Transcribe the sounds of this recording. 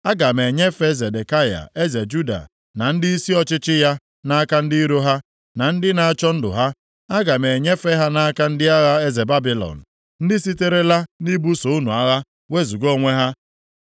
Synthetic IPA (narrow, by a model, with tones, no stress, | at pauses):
a˦ɡa˨me˨ɲe˦fe˦ze˨de˨ka˦ja̰˨ʔe˦ze˨d͡ʒu˦da̰˨ | na˨n̩˦dɪ˦i˦si˦ɔ˦t͡ʃɪ˦t͡ʃɪ˦ja˦ | na˦a˦ka˦n̩˦di˦ɾo˦ɦa˦ | na˨n̩˦dɪ˦na˨a˦˨t͡ʃɔ˦n̩˦dʊ̰˨ɦa˦ | a˦ɡa˨me˨ɲe˦fe˦ɦa˦na˦a˦ka˦n̩˦dɪ˦a˦ɣa˦e˦ze˨ba˦bi˨lɔ̰˨n̩˨ | n̩˦dɪ˦si˦te˦ɾe˦la˦ni˦bu˦so˨u˦nu˨a˦ɣa˦ | we˦zu˨ɡo˦˨ŋʷe˦ɦa˦